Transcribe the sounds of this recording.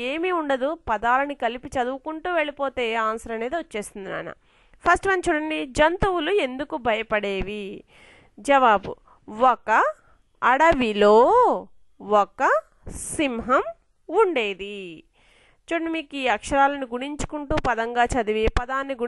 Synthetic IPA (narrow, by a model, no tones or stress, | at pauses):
e̞ːmiuɳɖɐd̪upɐd̪aːlɐnikɐlipit͡ʃɐd̪uʋukuɳʈuːʋe̞ɭipo̞ːt̪e̞ːaːnsɐɾɐmɐneːd̪iʋot͡ʃːe̞ːst̪und̪ina̰ːnɐ̰ | pʰɐsʈʋɐnt͡ʃuɽɐnid͡ʒɐnt̪uwulue̞nd̪ukubʱɐjɐpɐɽe̞ːʋi | d͡ʒɐʋaːbṵ | ɔkɐː | ɽɐʋilo̞ː | ɔkɐ | simɦɐm | uɳɖe̞ːd̪i | t͡ʃuɽɐnimiːkiːɐkʂɐɾaːlɐniɡuɽiɲt͡ʃu̥kuɳʈuːpɐd̪ɐŋɡaːt͡ʃɐd̪uʋipɐd̪aːnːiɡu